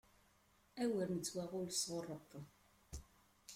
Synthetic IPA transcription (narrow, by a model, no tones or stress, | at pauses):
æwəɾnət͡sːwæʁʊlsʁʊrˤːəqː